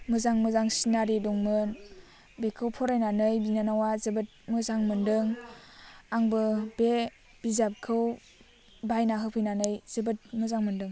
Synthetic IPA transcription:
mɯzaŋmɯzaŋsinaɾidɔŋmɯn | bekʰɯwpʰɔɾajnanɯjbinanawazɯbɯt̚mɯzaŋmɯndɯŋ | aŋbɯbe | b̥izap̚kʰɯw | bajnaɦɯpʰɯjnanɯjz̥ɯbɯt̚mɯzaŋmɯndɯŋ

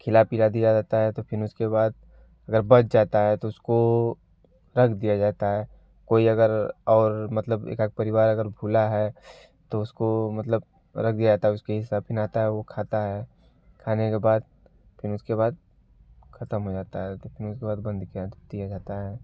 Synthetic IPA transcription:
kʰɪlapiːɾad̪ijad͡ʒaːt̪aɦɛt̪opʰɪɾʊskebaːd̪̚ | ɐɡəɾbɐt͡ʃʰd͡ʒaːt̪aɦɛt̪oʊsko | ɾɐkʰd̪ijad͡ʒaːt̪aɦɛː | koːiɐɡəɾɔːɾmɐt̪ləbḛːkak̚pɐɾɪʋaːɾɐɡəɾbʱuːlaɦɛ | t̪oʊskomɐt̪ləb | ɾɐk̚ʰd̪ijad͡ʒaːt̪aɦɛʊskeɦɪsabɪnaːt̪aɦɛʋokʰaːt̪aɦɛː | kʰaːnekebaːd̪̚ | pʰɪɾʊskeβaːd̪̚ | xʰɐt̪əmɦod͡ʒaːt̪aɦɛt̪opʰɪɾʊskebaːd̪bɐ̃nd̪kiad̪̥ijad͡ʒaːt̪aɦɛː

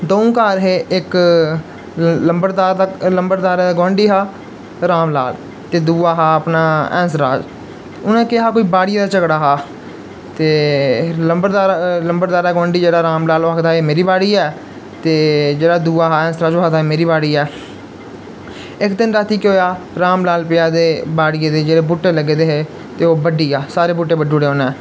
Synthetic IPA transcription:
d̪õːũːkaːɾɦeːɪk | ləmbəɾd̪aːɾd̪aləmbəɾd̪aːɾɛːd̪ɡõːɳɖiːɦaː | ɾaːmla̰ːl | t̪eːd̪uːaːɦaːəpnaːɛ̰̃ːns̬ɾa̰ːd͡ʒ | ʊnãːkɪɦaːkoːiːbaːɽɪijaːd̪aːt͡ʃəɡɽaːɦaː | t̪eːləmbəɾd̪aːɾləmbəɾd̪aːɾɛːɡãːɳɖiːd͡ʒeːɽaːɾaːmlaːloakd̪aːeːmeːɾiːbaːɽiːɛː | t̪eːd͡ʒeːɽaːd̪uːaːɦaːɛ̃ːnsɾaːd͡ʒoːad̪aːeːmeːɾiːbaːɽiːɛː | ɪkd̪ɪnɾaːt̪iːkɦoːjaː | ɾaːmlaːlpɪjaːd̪eːbaːɽɪjeːd̪eːd͡ʒeːɽeːbʊʈːeːləɡeːd̪eːɦeː | t̪eːoːbəɖiːaːsaːɾeːbʊʈːeːbəɖːoːɽeːɦoːnɛː

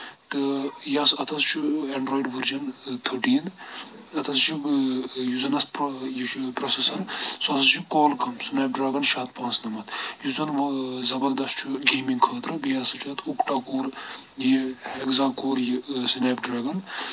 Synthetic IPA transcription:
t̪ɨjaːsɐt̪ʰɐst͡ʃʰueɳɖɾoːjiɖʋɐɾd͡ʒɐnt̪ʰɨʈiːnd̪ | ɐt̪ʰɐst͡ʃʰujuzɐnɐspjit͡ʃʰpɾoːsesɐɾsɐsɐt͡ʃʰukoːlkɐmsineːp̚ɖɾaːɡɐnʃaːt̪̚pãːnsnɐmɐt̪juzɐnʋɐzɐbɐɾd̪ɐstt͡ʃʰuɡeːmiŋɡkʰɐːt̪ɾɨbijaːsɐt͡ʃʰɐt̪ukʈaːkoːɾ | jihekzaːkoːɾjisineːpɖɾaːɡɐn

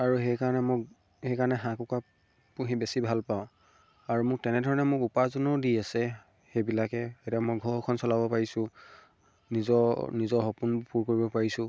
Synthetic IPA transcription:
aɹuɦejkaɹɔnɛmʊk | hejkaɹɔnɛɦãkuka | puɦĩbesibʱalpaʊ̃ | aɹumʊk̚tɛnɛdʱɔɹɔnɛmʊkupazɔnɔdiasɛ | hebilakɛetamɔjɡʱɔɹkʰɔnsɔlabɔpaɹisʊ̃ | nizɔnizɔɦɔpunpuɹkoɹibɔpaɹisʊ̃

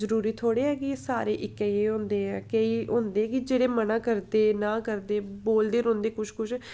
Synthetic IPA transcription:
zəɾuːɾiːt̪ʰoːɽeːɦɛːɡieːsaːɾeːʔɪkːɛ̃eːɦõnd̪eːɛːkəiːɦõːnd̪eːɛkɪd͡ʒeːɽeːmənãːkəɾd̪eːnãːkəɾd̪eːboːld̪eːɾõːnd̪eːkʊʃkʊʃʰ

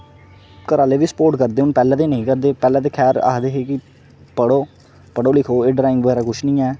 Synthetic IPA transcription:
kəɾaːleːʋiːsə̥poːɾʈkəɾd̪eːɦʊnpɛːlaːt̪eːnəĩːkəɾd̪eːpɛːlaːt̪eːkʰɛːɾa̰ːd̪eːɦeːkɪ | pəɽoː | pəɽoːlɪkʰoːeːɖɾaːɪ̃ŋɡʋəeːɾaːkʊt͡ʃʰnĩːɛː

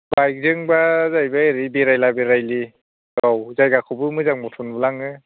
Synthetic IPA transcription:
bajk̚zɯŋbazajbaeɾibeɾajlabeɾajli | dawzajɡakʰubɯmɯzaŋmɔtʰunbɯlaŋɯ

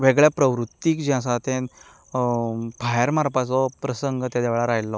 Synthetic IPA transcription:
ʋeɡɭjapɾəʋɾut̪ːiːkd͡ʑɛ̃as̬at̪ẽn | paɦjəɾmaɾpat͡sɔpɾəsəŋɡət̪jad̪eʋɭaɾaɦjlːɔ

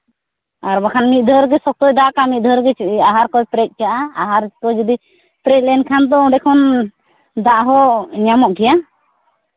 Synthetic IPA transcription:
aɾbakʰanmit̪̚ˀd̪ʱəɾɡɛsɔk̚t̪ɔjd̪aʔkamit̪̚d̪ʱəɾɡɛaɦaɾkɔjpɾɛk̪̚ˀkaʔaaɦaɾkɔd͡ʒɔd̪i | pɾɛt̪̚lɛnkʰand̪ɔɔ̃ɖɛkʰɔn | d̪aʔɦɔɲamɔʔɡɛja

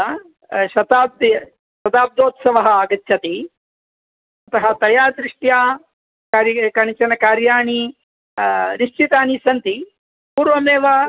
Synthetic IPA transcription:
ʃɐt̪aːb̚d̪ | ʃɐt̪aːb̚d̪oːt̪sɐʋɐɦɐ̆aːɡɐt̪ːʃʰɐt̪i | ɐt̪ɐɦɐ̆t̪ɐjaːd̪ɾiʂʈjaː | kaːɾjkɐɳit͡ʃɐnɐkaːɾjaːɳi | niʂt͡ʃit̪aːnisɐnt̪i | puːɾʋɐmeːʋɐ

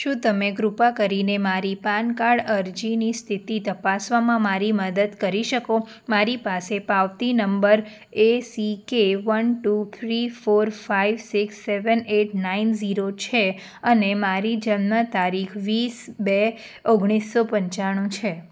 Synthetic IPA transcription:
ʃũt̪əmeɡɾupakəɾinemaɾipankaɭəɾd͡ʒinist̪ʰit̪it̪əpasʋamãmaɾiməd̪əd̪kəɾiʃəko | maɾipasepaʋt̪inəmbəɾ | esikeʋənʈut̪ʰɾifoɾfaiʋsiksːeʋəneʈnainziɾot͡ʃʰe | ənemaɾid͡ʒənmət̪aɾikʰʋisbe | oɡɽ̃isːopəɲt͡ʃaɽ̃ũt͡ʃʰe

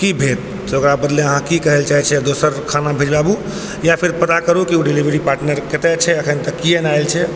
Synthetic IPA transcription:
kibʱet̪̚ | okɾabəd̪leəɦãkikəɦelt͡ʃaɦɛt͡ʃʰɛd̪osəɾkʰanabʱed͡ʒbabu | japʰiɾpət̪akəɾukiuɖilibəɾipaɾʈnəɾket̪ɛt͡ʃʰɛəkʰənt̪əkːienaelt͡ʃʰɛ

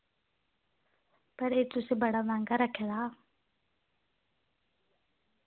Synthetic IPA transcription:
pəɾeːt̪ʊsebəɽaʋãːŋɡaɾəkʰedaː

